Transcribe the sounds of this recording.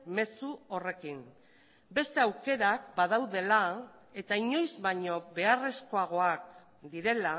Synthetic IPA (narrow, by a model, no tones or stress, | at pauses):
me̞suo̞re̞kin | be̞st̪e̞awke̞ɾak̚bað̞awðe̞la | e̞t̪aiɲo̞jzβaɲo̞βe̞are̞sko̞aɣ̞o̞ak̚ | d̪iɾe̞la